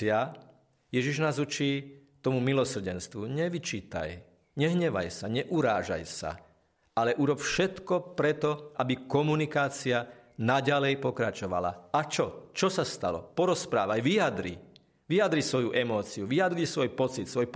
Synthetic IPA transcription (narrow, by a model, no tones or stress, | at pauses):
ɪa | jɛʒiʒnaːzut͡ʃiːt̪ɔmumilɔsr̩ɟɛnst̪ʋuɲɛʋit͡ʃiːt̪a̰j | ɲɛɦɲɛʋa̰jsaɲɛʔuɾaːʒa̰jsa̰ | ʔalɛʔuɾɔpfʃɛt̪kɔpɾɛt̪ɔʔabikɔmunikaːt͡sianaɟalɛjpɔkɾat͡ʃɔʋa̰la̰at͡ʃɔt͡ʃɔsast̪a̰lɔ̰pɔɾɔspɾaːʋajʋijad̪ɾḭ | ʋijad̪ɾisʋɔjuʔɛmɔːt͡siuʋijad̪ɾisʋɔjpɔt͡sit̪sʋɔjp